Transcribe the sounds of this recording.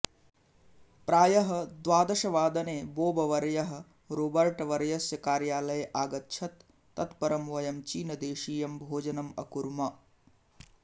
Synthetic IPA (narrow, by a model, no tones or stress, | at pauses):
pɾaːjɐɦɐ̆d̪ʋaːd̪ɐʃɐʋaːd̪ɐneːboːbɐʋɐɾɐjɐɦɐ̆ | ɾobɐɾʈɐʋɐɾɐjɐsjɐkaːɾjaːlɐjɐʔaːɡɐt̪ːt͡ʃʰɐt̪ː | ɐt̪pɐɾɐmʋɐjɐmt͡ʃiːnɐd̪eːʃiːjɐmbʱoːd͡ʒɐnɐmɐ̰kuɾmɐ